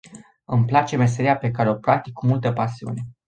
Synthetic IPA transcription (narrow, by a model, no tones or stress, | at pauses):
ɨmplat͡ʃe̞me̞s̬e̞ɾiape̞kaɾe̞o̞pɾak̚t̪ikʰːumult̪əpasiṵne̞